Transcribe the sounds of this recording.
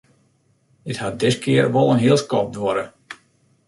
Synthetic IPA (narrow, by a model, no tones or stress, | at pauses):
dɪthat̚dɪskʰɪərʋɔlˠənɦiəlˠskɔp̚dʋɔɾə